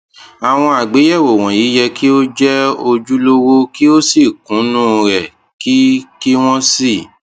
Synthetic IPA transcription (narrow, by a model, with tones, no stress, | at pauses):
a˨w̃ɔ̃˧a˨ɡ͡be˨˦jɛ˦˨wo˨w̃ɔ̃˨jiː˨˦jɛ˧kʰi˦o˦d͡ʒɛ˦o˧d͡ʒu˦lo˦wo˦ki˦o˦si˦˨kũ˨˦nũ˦˨˧ɾɛ˨ | ki˦ki˦w̃ɔ̃˦si˦˨